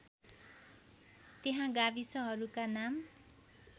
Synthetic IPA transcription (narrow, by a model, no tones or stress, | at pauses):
t̪eɦãɡabisʌɦʌɾukanam